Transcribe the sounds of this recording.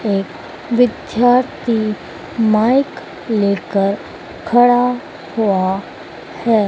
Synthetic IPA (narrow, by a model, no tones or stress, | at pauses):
ek | ʋɪd̪jaɾt̪ʰi | majk | lekəɾ | kʰəɽa | hoa | hɛ